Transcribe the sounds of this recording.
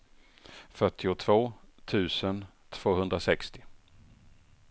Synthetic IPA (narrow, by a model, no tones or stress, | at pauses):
fœʈʰːɪʊt̪ʰv̥oːt̪ʰʉ̟ːsən | t̪ʰv̥oːɦɵnd̪ɾasɛkst̪ɪ